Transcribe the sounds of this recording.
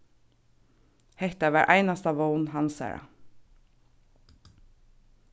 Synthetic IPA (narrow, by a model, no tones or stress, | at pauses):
hɛht̪aʋæːɹʔæ̰ɪnast̪ɑʋoʊnhɑnsæ̰ːɹa̰